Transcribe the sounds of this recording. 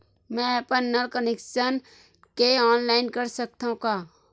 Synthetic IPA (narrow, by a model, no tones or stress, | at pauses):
mɛ̃əpənːəlkənekʃən | keɔːnlaːɪnkəɾsək̚t̪aũkaː